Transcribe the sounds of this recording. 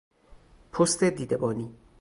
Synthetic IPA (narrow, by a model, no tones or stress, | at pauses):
pʰost̪ʰed̪iːd̪ebɒːniː